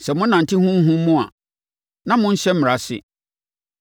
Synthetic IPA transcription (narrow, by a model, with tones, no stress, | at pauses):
sɛ˨mʊ̃˦n˦nã˨n̩˨tʰi˦hʊ̃˦m̩˦ɦʊ̃˦mː˦ʊ̃˦a̰˨ | nã˦mʊ̃˦n̩˦ɕɛ˦m̩˦mɪ˨ɾa˨sɪ̰˦